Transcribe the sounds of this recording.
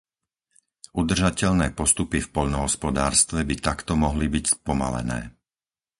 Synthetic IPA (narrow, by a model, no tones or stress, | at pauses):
ʔud̪r̩ʒacɛʎnɛːpɔst̪upifpɔʎnɔɦɔspɔd̪aːɾst̪ʋɛbit̪akt̪ɔmɔɦlibicspɔma̰lɛ̰nɛ̰ː